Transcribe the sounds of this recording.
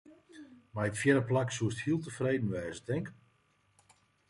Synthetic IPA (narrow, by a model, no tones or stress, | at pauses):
maətfjɛɾəplaksuəsthiəlˠtəfreːdn̩ʋɛːzədɛŋk